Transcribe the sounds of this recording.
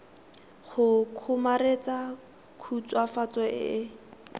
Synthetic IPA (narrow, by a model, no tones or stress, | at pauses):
χʊkʰʊmaɾet͡sa | kʰut͡swafat͡sɔɪ̰ɪ